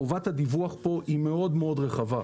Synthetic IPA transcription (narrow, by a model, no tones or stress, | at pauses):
ovathad̪ivuaχpo̞ʔime̞odmeod̪ʁeχava